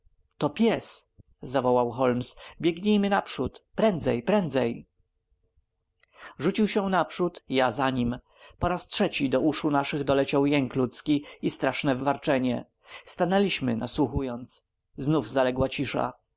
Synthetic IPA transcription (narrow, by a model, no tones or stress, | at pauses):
t̪ɔpʲjɛs | zavɔwawxɔlmsbʲjɛɡɲejmɘnapʂut̪pɾɛnd̪zɛjpɾɛnd̪zɛj | ʐut͡ɕiwɕɛnapʂut̪jazaɲim | pɔɾastʂɛt͡ɕid̪ɔʔuʂunaʂɘɣd̪ɔlɛt͡ɕawjɛŋklut̪skʲiist̪ɾaʂnɛvvaɾt͡ʂɛɲɛ | st̪anɛlʲiɕmɘnaswuxujɔnt̪s | znuvzalɛɡwat͡ɕiʂa̰